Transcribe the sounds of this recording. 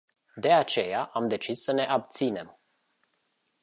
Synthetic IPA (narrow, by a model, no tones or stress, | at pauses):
d̪e̞at͡ʃe̞jaʔamd̪e̞t͡ʃisːəne̞ʔab̚t̪sine̞m